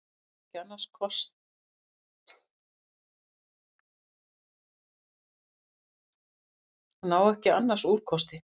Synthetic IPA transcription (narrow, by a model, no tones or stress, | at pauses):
ɛhcɪanːaɾ̥skʰɔst̪ | naːwɛhcɪanːaɾ̥suːɾ̥kʰɔst̪ɪ